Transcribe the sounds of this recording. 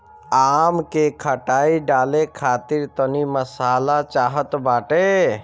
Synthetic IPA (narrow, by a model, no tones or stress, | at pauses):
amkekʰəʈaiɖalekʰat̪iɾt̪əniməsaːlat͡ʃaɦət̪baːʈe